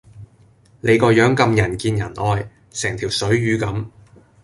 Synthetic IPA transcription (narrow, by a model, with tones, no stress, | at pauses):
le˨˧jkɔː˧jœː˨˥ŋkɐ˧mjɐ˨˩nkiː˧njɐ˨˩nʔɔː˧j | sɛː˨˩ŋt̪ʰiː˨˩wsɵ˨˥ɥɥyː˨˧kɐ˨˥m